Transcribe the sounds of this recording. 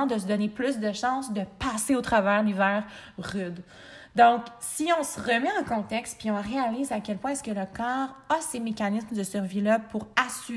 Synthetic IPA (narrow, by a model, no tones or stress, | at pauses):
d̪əsəd̪ɔneplys̬d̪əʃɑ̃sd̪əpaːseot̪χavɛːʁlivɛːʁʁyd̪ | d̪ɔ̃ksiɔ̃səʁəmɛɑ̃kɔ̃t̪ɛkst̪̚piɔ̃ʁealiːzakʲɛlpwɛ̃ɛskələkɑːʁasemekʲanɪsmd̪əsyʁvilʌpʰuʁasy